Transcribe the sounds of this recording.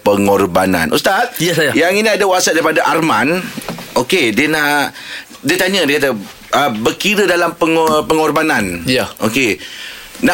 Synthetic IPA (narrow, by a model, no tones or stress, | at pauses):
pəŋɔrbanã̰nʔṵst̪at̪̚jasjajaŋinĩadawasat̪̚daɾipadaʔarmãnokediənaʔ | diət̪aɲə̃diəkat̪̬ə | ʔəbərkiɾədalampəŋpəŋɔrbanãnjaʔoke | na